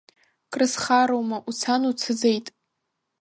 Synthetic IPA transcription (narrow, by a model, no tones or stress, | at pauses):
kʼrɨsχaɾowmaʔut͡sʰanut͡sʰɨd͡zejtʼ